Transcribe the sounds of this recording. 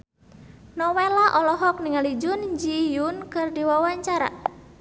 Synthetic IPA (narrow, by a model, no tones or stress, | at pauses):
nɔwelaʔɔlɔɦɔk̚niŋalid͡ʒʊnd͡ʒijʊnkɨrdiwawaɲt͡ʃaɾa̰